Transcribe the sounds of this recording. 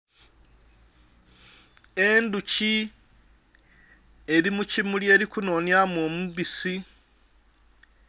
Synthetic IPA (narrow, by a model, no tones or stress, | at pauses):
enduci | eβimucimulje̞ːɾikuno̞njamwomuβisi